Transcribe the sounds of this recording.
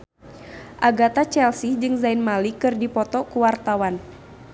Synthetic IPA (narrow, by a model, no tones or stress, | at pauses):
ʔaɡat̪at͡ʃɛlsid͡ʒɨŋzainmalikɨrdipɔt̪ɔkuwart̪awan